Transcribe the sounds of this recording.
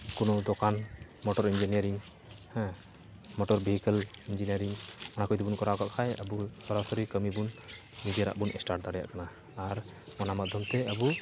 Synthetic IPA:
kunɔd̪ɔkan | mɔʈɔɾind͡ʒinijəɾiŋ | hɛ̃ | mɔʈɔɾbiɦikəlind͡ʒinijəɾiŋɔnakɔjt̪ibunkɔɾaɡaʔkʰajəbusɔɾasɔɾikəmibun | mid̪ijaɾa̰ʔbunʔɛsʈaɾʈ̚d̪aɽɛja̰ʔkanaː | ɾ | mɔnamad̪ʱjɔmt̪ɛəbu

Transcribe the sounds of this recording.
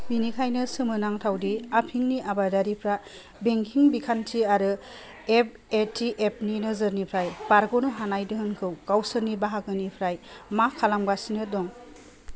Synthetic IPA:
binikʰajnɯsɯmɯnaŋtʰawdiapʰiŋniʔabadaɾipʰɾa | beŋkʰiŋbikʰantʰiaɾɯ | ep̚etʰiʔep̚ninɯzɯɾnipʰɾajbaɾɡɔnɯɦanajdɯɦɯnkʰɯwɡ̥awsɯɾnibaɦakɯnipʰɾajmakʰːalamɡasinɯdɔŋ

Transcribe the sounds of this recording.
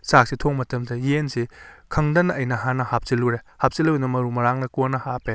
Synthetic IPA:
sak̚sitʰoŋmɐtɐmsɐjensikʰɐŋdɐnɐɐjnɐɦanɐhap̚siluɾehap̚siluwnɐmɐɾumɐɾaŋnɐkonɐhape

